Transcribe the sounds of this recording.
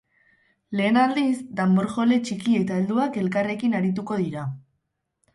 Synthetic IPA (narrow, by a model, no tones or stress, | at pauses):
le̞ːnald̪izd̪amboɾʝo̞le̞t͡ʃikie̞t̪aeld̪uake̞lkare̞kinaɾit̪̬uko̞ðiɾa